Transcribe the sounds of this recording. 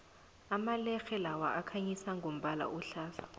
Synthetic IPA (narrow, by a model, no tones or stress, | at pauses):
amalɛxɛlawaʔakʰaɲisaŋɡʱom̩ɓala̰ʔuɬaːɬḁ